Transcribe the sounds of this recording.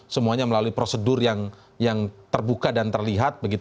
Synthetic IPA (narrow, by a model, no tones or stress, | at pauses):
səmuaɲaməlaluipɾosədʊrjaŋ | jaŋt̪ərbukadant̪ərliɦat̪̚bəɡit̪